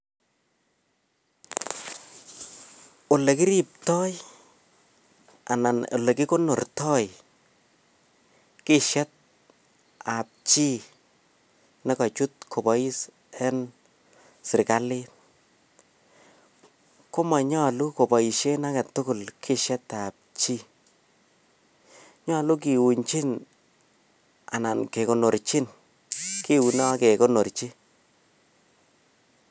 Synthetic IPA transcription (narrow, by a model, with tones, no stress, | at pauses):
o˨le˨kɪ˦ɾi˦˨p̚tɔ˦j | a̰˨na˨no̰˨le˨ki˦ko˦nʊ˨rtɔ˦j | kɪ˦ʃɛ˦t̚ | a˨p̚t͡ʃi˦ | nɛ˦ka˨t͡ʃu˦t̚kʰo˨bɔ˨i˦s | ɛ˦n | sɪ˨ɾka˦li˦ | ko˦ma˨ɲɔ˦lu˦ko˨bɔ˨i˨ʃe˦na˦ka˨tʊ˦kʊ˨lkʰɪ˦ʃɛ˦tap̚t͡ʃi˦ | ɲɔ˦lu˦k̬i˨wu˨ɲt͡ʃi˦n | a̰˨na˨nke˨kɔ˨nɔ˨ɾt͡ʃi˦n | ki˦u˨na˦kɛ˨kɔ˦nɔ˨ɾt͡ʃi˦